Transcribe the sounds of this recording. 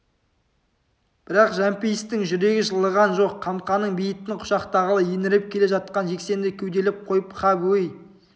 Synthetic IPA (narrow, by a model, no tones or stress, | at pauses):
b̥ɪɾɑqʒæmpijəst̪ɪŋʒʏɾe̞ɡʲɪʒəlˠːəʁɑnʒo̞qʰːɑmqɑnəɴbijɪt̪ːɪŋqʰʊ̥ʃɑqt̪ɑʁəlˠəjenɪɾɪp̚kʲʰe̞le̞ʒɑt̪̚qɑnʒe̞kse̞nd̪ɪkʲʰɵwd̪e̞lɪp̚qʰo̞jəpχʰɑbwej